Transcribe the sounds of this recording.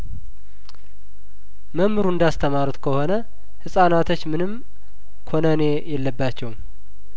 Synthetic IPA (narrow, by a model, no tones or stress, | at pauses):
məmːɨɾuɨnd̪ast̪ʰəmaɾut̪kʰəho̞nə | hɨsʼanat̪ʰot͡ʃːmɨnɨm | kʰo̞nənejɛlːəbːat͡ʃːɛwm